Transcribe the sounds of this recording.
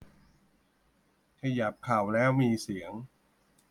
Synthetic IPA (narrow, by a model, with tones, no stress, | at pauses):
kʰa˧ja˨˩p̚ʰːa˨˩wlɛː˦˥wmiː˧si˨˩˦əŋ